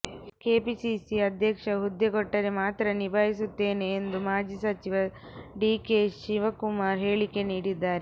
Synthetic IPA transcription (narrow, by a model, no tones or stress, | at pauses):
ke̞ːpisisiɐd̪ʱjɐkʂɐɦud̪ːeɡɔʈːɐɾemaːt̪ɾɐnibʱaːɦisut̪ːe̞ːne̞ːnd̪umaːd͡ʒisɐt͡ʃiʋɐɖiːkeːʃiʋɐkumaːɾɦe̞ːɭike̞niːɽid̪ːaːɾe